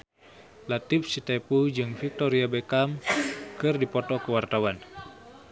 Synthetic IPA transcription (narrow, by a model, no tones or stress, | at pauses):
lat̪ifsit̪epud͡ʒɨŋfik̚t̪ɔɾiabekamkɨrdipɔt̪ɔkəwart̪awan